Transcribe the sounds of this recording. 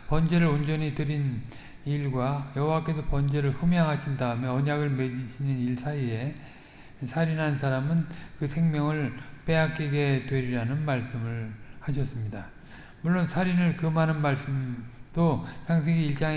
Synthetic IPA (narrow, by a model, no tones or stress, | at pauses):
pʌnd͡ʑe̞ɾɯɭond͡ʑʌɲitɯɾin | iɭɡwajʌɦowak͈e̞sʰʌpʌnd͡ʑe̞ɾɯɭɸumjaŋɦaɕʰindaɯmeʌɲaɡɯɭme̞ɡiɕʰininiɭsʰaie̞ | sʰaɾinɦansʰaɾamɯnkɯsʰe̞ŋmjʌŋɯɭp͈e̞akʰiɡe̞dwe̞ɾiɾanɯnmaɭs͈ɯmɯɭhaɕʰʌs͈ɯmɲida | muɭːonsʰaɾinɯɭkɯmanɯnmaɭs͈ɯmd̥osʰaŋs̬ʰeɡiiɭt͡ɕ͈aŋe